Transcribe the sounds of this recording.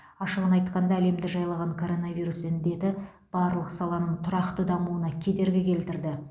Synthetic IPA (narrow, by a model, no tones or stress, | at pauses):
ɑʃəʁənɑjt̪qɑnd̪ɑæle̞md̪ɪʒɑjlˠɑʁɑɴkʰo̞ɾo̞navʲijɾusɪnd̪e̞t̪ɪ | b̥ɑɾlˠəqsɑlˠɑnəɴt̪ʰʊɾɑqt̪əd̪ɑmuənɑkʲʰe̞d̪e̞ɾɡʲɪkʲʰe̞lt̪ɪɾd̪ɪ